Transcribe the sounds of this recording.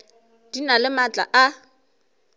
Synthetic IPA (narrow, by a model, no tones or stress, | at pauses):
d̥inalɪmat͡ɬʼa̰ʔa